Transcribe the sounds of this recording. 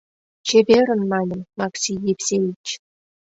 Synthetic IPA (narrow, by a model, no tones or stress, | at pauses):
t͡ɕebʲeɾʲɘ̆nmɑnʲɘ̆mmɑksʲijepʲsʲeit͡ɕ